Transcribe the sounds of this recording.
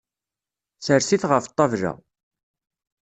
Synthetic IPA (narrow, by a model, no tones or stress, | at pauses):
səɾsiθʁəft̪ˤːɑvɾæ̰